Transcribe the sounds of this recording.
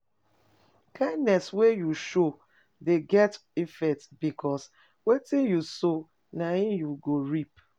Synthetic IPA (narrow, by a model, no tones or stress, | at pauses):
kãɪ̃ndnɛswejuʃo | deɡɛt | ifɛtbikʰɔs | wetĩnjuso | naimjuɡoɹip